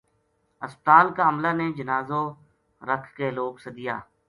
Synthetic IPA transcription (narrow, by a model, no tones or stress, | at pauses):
əspət̪aːlkaəmlaːned͡ʒənaːzõ | ɾəkʰkeloːksəd̪ija̰ː